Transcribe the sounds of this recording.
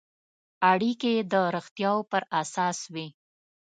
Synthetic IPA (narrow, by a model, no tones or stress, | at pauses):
aɽiked̪əɾəxt̪jɑwpəɾasɑswi